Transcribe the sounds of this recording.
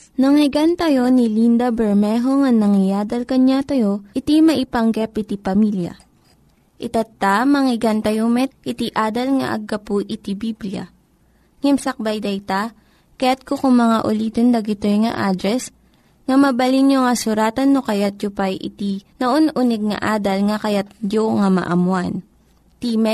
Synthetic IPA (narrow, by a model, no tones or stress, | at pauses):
nɐŋɪɡant̪ɐjo̞nɪlind̪ɐbɛɹmɛɦo̞ŋɐnɐŋɪjaːd̪ɐlkɐɲat̪ɐjo̞ʔɪt̪imɐʔɪpɐŋɡɛpɪt̪ipɐmiljɐ̰ | ʔɪt̪ɐt̪ːamɐŋɪɡant̪ɐjomɛt̪̚ʔɪt̪iʔaːd̪ɐlŋɐ̰ʔɐ̰ɡɐpuʔɪt̪ibibljɐ̰ | ŋɛmsɐk̚bɐjd̪ɐjt̪a | kɐjat̪̚kokʊŋmɐŋaʔʊliːt̪ond̪ɐɡɪt̪ojŋɐ̰ʔaːd̪ɾɛs | ŋɐmɐbɐlinjoŋɐsʊɾaːt̪ɐnːokɐjat̪̚jopajʔɪ̰t̪inɐʔonʔunɛɡ̚ŋɐ̰ʔaːd̪ɐlŋɐkɐjat̪̚joŋamɐ̰ʔɐmwan | t̪imɛ